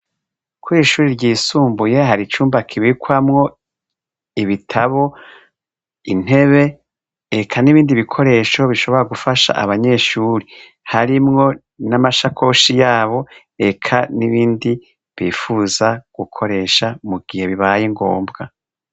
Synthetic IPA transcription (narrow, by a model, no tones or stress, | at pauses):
kwuiːʃuːɾiɾɟiːsuːmbuje̞ɦaɾit͡ʃuːmbakʰiβikwamŋo̞ | iβitʰaβo̞ | in̥he̞βe̞ː | kʰaniβiːndiβikʰo̞ɾe̞ːʃo̞βiʃo̞βo̞ɾaɡufaʃa̰ʔa̰βaɲe̞ʃuːɾi | haɾimŋo̞ | namaʃakʰo̞ʃijaːβo̞ | e̞kʰaniβiːndi | βiːfuzaɡ̥ukʰo̞ɾe̞ʃamuɡ̥ihe̞βiβajiŋɡo̞ːmbɡa